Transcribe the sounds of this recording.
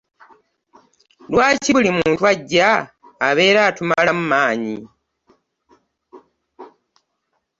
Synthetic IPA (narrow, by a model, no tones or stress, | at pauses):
lwaːciβulimuːntuaɟːaː | βe̞ːɾaːtumalamumaːɲḭ